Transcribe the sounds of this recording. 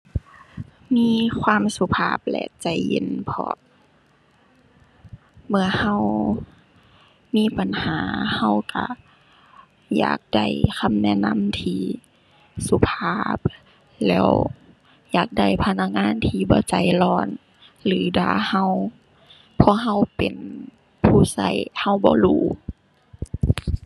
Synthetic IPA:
miː˧˥˨kʰwaː˧˥˨msu˧˦pʰaː˧˩p̚lɛ̰˧t͡ɕa˧˩jjḛ˧˥˨npʰɔ̰ː˧˦ | mɯ˧˩ɐəha˧˨w | miː˧˥˨pa˨nhaː˨˦ha˧˩˨wka˧˩ | ja̰ː˨˩k̚da˧˩jkʰa˧˥˨mnɛ˧˨na˧˥˨mt̪ʰiː˧ | su˧˦pʰaː˧p̚ | lɛ̰ː˧˩w | jaː˨˧˩k̚da˧˩jpʰa˧na˧˥k̚ŋaː˧˥˨nt̪ʰiː˧˩bɔ̰ː˧˦t͡ɕa˨˦jlɔː˧˩n | lɯː˨˦daː˨˩ha˧˩˨w | pʰɔ˧˨ɦa˧˨wpe˨n | pʰuː˧˩sa˧˩jha˧˥˩wbɔ̰ː˧˦luː˧˩

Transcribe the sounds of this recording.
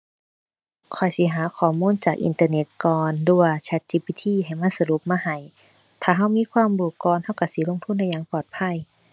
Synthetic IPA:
kʰɔ˨˩jsi˧˦ɦaː˨˦kʰɔː˨˩muː˧˥˨nt͡ɕaː˨˩k̚ʔḭ˧˨nt̪aː˧ne˨˧˦t̪̚kɔː˧ndu˧˩ɐt͡ɕʰa˧˦˥t̪̚t͡ɕiː˧piː˧˥t̪ʰiː˧˥˨ɦa˨˩jma˧˥˨sa˧lu˧˦p̚maː˧˨ha˨˩j | t̪ʰaː˨˩ɦa˧˥˩wmiː˧˥˨kʰwaː˧˥˨mbuː˧˩kɔː˧˨nha˧˥˩wka˧˩siː˨˦lo˧˥˨ŋt̪ʰu˧˥˨nda˧˩jaː˧˦ŋpɔː˨˩t̪̚pʰa˧˥˨j

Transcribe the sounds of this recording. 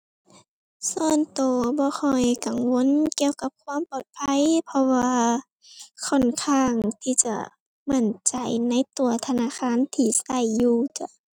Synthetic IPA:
sɔː˧˩nt̪oː˨˩bɔː˧˦xʰɔ˧˨˩jka˨˩ŋwo˧˥˨nki˧əwka˧˦p̚kʰwaː˧˥˨mpɔː˨˩t̪̚pʰa˧˥˨jpʰɔ˧waː˧ | kʰɔ˧˩˨nkʰaː˧˥˩ŋt̪ʰiː˧˩t͡ɕa˧˩ | ma˧˩˨nt͡ɕa˨˩jna˧˥˨jt̪u˨˩ɐt̪ʰa˧naː˧˥˨xʰaː˧˥˨nt̪ʰiː˧˩sa˧˩jːuː˧˩t͡ɕa˧˩˨

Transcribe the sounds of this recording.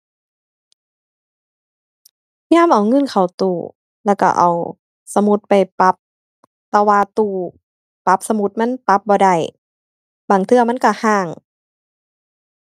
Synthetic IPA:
jaː˧˥˨mʔa˨˩wŋɤ˧˥˨nkʰa˨˩wt̪uː˧˩ | lɛː˧˩wka̰˧˩ʔa̰˨˩w | sa˧mu˧˦t̪̚pa˨˩jpa˧˦p̚ | t̪ɛː˧˩waː˧t̪uː˧˩ | pa˧˦˥p̚sa˧mu˧˥t̪̚ma˧˥˨npa˧˦p̚bɔː˧da˧˩j | baː˨˩ŋt̪ʰɯ˧ɐma˧˥˨nka˧˩haː˧˩ŋ

